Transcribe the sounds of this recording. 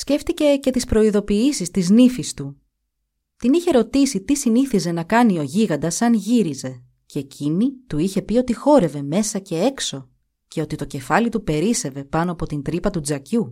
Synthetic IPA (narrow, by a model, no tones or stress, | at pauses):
sce̞ft̪ice̞ce̞t̪ispɾo̞iðo̞piisist̪iznifist̪u | t̪iniçe̞ɾo̞t̪isit̪isiniθize̞nɐkɐnio̞ʝiɣɐnd̪ɐsɐnʝiɾize̞ | ceecʰinit̪uiçe̞pio̞t̪ixo̞ɾe̞ve̞me̞sɐce̞e̞kso̞ | ce̞o̞t̪it̪o̞ce̞fɐlit̪upe̞ɾise̞ve̞pɐno̞ɐpo̞t̪int̪ɾipɐt̪ud͡zɐcu